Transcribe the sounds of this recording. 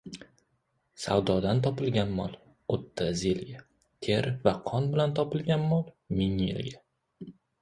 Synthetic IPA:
sa̰wd̪ɒd̪ant̪ʰɒpɪlɡʲanmɒ̰lˠ | ot̪ʰːazelɡʲa | t̪ʰe̞ɾvaqʰɒnbɪlant̪ʰɒpɪlɡʲanmɒlˠ | mɪŋjḛlɡʲa

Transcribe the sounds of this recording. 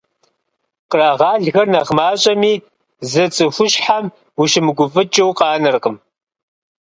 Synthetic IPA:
qraːʁɑːɮɣɐrnɐʁmaːɕʼɐmiː | zɐt͡sʼɨfʷʊʃħam | wuʃɪmɨɡʷʊvɨt͡ʃʼɐwqʼɑːnɨrqəm

